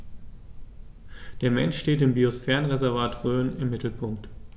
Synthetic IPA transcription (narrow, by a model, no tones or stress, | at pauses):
d̥eːɐmɛnʃʃteːtɪmbiosfɛːʁənʁɛzɛɐvaːtʁøːnɪmːɪtl̩pʰʊŋk̚t